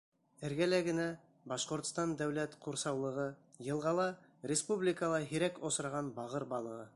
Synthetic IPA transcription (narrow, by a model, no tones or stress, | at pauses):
ɘ̆ɾɡælæɡɘ̆næ | bɑʃqŏɾt̪st̪ɑnd̪æwlæt̪quɾsɑwlˠɤ̆ʁɤ | jɤ̆lˠʁɑlˠɑɾʲɪspublʲɪkəlˠɑɦiɾækosɾɑʁɑnbɑʁɤɾbɑlˠɤ̆ʁɤ